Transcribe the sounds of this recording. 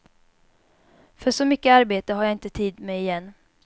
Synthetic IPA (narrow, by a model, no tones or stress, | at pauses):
fœʂɔmʏkːəaɾbeːt̪əɦaɾjaːɪnt̪ət̪ʰiːd̪mɛɪjɛnː